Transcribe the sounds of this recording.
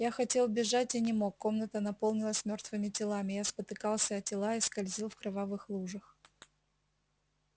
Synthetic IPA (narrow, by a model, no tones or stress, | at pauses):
jaxɐtʲe̞lˠbʲɪʐatʲɪnʲɪmo̞kːo̞mnət̪ənɐpo̞lˠnʲɪlˠəsʲmʲo̞rt̪vɨmʲɪtʲɪlˠamʲɪjaspət̪ɨkɑlˠsʲəɐtʲɪlˠaɪskɐlʲzʲilˠfkɾɐvavɨxlˠuʐɨx